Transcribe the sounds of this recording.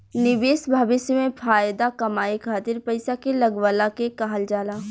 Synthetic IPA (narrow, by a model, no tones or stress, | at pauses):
nɪʋeːsbʱaːʋɪsjəmẽfʰaːjd̪akɐmaːikʰaːt̪ɪɾpɐɪsakelɐɡʋəlakekaɦəld͡ʒaːlaː